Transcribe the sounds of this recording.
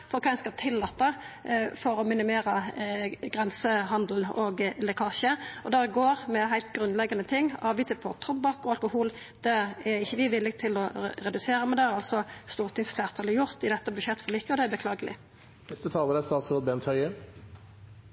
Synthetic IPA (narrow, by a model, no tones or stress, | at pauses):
fɔɾkʰɑːɪnskɑt̪ʰɪlːɑt̪ːɑfɔɾɔmɪnɪmeːɾə | ɡʁɛnsəhɑnd̪l̩nɔɡlɛkʰɑʁɕəɔd̪æʁɡoːʁmɛɦæɪlt̪ɡʁʉnlɛɡɑnət̪ʰɪŋːɑːʋɪːt̪əpʰɔt̪ʰʁɔb̚bɑkɔɑlkʊhuːl | d̪̥ɛæɾɪçːəʋɪʋɪlːɪɡt̪ʰɪlɔɾɛd̪ʉseːɾəmɛnd̪ɛæɾɑlsɔst̪uːʁt̪ʰɪŋsflæːʁt̪ʰɑːləjʊʁt̪ɪd̪ɛt̪ːəbʉʃɛt̪ːfɔlɪkːəɔd̪ɛæbəkʰlɑːɡəlɪ̰ | nɛst̪ət̪ʰɑːləd̪ɛst̪ɑːt̪suːd̪bɛnt̪ʰhœʏə